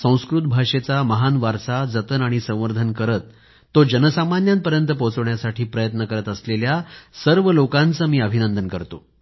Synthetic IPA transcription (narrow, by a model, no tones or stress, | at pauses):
sə̃w̃skɾut̪̚bʱaʂet͡saməɦanʋaɾsad͡zət̪ənaɽ̃isə̃w̃ʋəɾd̪ʱənkəɾət̪ː | od͡ʑənəsamanjant̪pəɾjənt̪əpot͡səʋɳjasaʈʰiːpɾəjət̪nəkəɾət̪əsleljasəɾʋəlokãnt͡səːmiːəbʱinənd̪ənkəɾt̪o̰